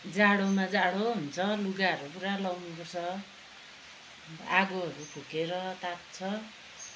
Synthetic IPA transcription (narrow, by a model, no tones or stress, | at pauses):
d͡zaɽomad͡zaɽoɦunt͡sʰʌluɡaɦʌɾupuɾalawnupʌt͡sʰʌ | aɡoɦʌɾupʰukeɾʌt̪at̪̚t͡sʰʌ